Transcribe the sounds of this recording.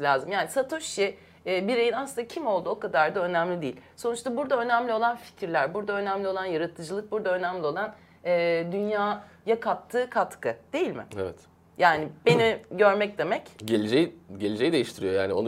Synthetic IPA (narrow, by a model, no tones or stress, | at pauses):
lʲaːzɯmjaːnisat̪ʰoʃi | biɾejinaslˠɯnd̪acʰimo̞lˠd̪uo̞kad̪aɾd̪aø̞næmlʲid̪ejilʲso̞nuʃt̪abuɾd̪aø̞næmlʲio̞lˠanfi̥cʰɾlʲæɾbuɾd̪aønæmlʲio̞lˠanjaɾat̪ʰɯd͡ʒɯlˠɯk̚buɾd̪aø̞næmlʲio̞lˠan | ɛːd̪ynjaː | jakʰap̚t̪ʰːɯːkʰat̪kɯd̪̥e̞jilʲmɪ̰evɛt̪ | jaːnibeniɟøɾmɛcd̪e̞mɛcɟelʲed͡ʒejiɟelʲed͡ʒejid̪e̞jiʃt̪ʰiɾijo̞jaːnion